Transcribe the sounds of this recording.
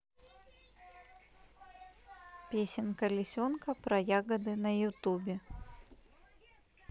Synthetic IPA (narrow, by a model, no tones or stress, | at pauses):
pʲesʲɪnkəlʲɪsʲonkəpɾɐjaɡəd̪ɨnɐjʊt̪ubʲɪ